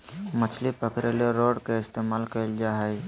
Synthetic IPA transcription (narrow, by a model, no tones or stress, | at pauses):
mət͡ʃʰlipəkɾeleɾoːɖkeɪst̪emaːlkəld͡ʒaɦɛj